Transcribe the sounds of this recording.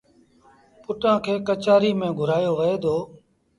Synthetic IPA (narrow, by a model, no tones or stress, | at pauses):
pʊʈãːkʰeːkət͡ʃaːɾiːmẽːɡʱʊɾaːjoːʋəeːd̪oː